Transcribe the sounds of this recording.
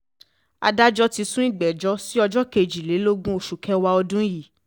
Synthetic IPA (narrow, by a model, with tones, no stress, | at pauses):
a̰˧da˦d͡ʒɔ˦ti˧sũ˦i˦˨ɡ͡bɛ˨d͡ʒɔ˦si˦ɔ˧d͡ʒɔ˦ke˧˨d͡ʒi˨le˨˦lo˦ɡũ˦o˨ʃu˨kʰɛ˦˧wa˧ɔ˧dũ˦ji˦˨